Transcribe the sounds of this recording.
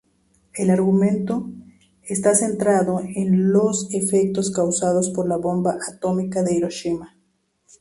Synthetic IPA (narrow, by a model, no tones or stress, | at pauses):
e̞laɾɣumẽ̞nt̪o̞ | est̪ase̞nt̪ɾaðo̞enlo̞sefek̚t̪oskawsað̞ospo̞ɾlaβo̞mbaʔat̪o̞mikaðe̞iɾo̞ʃima